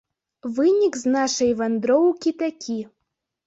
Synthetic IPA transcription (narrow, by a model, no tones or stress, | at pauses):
vɨnʲikznaʃəjvand̪ɾowkʲit̪akʲʰi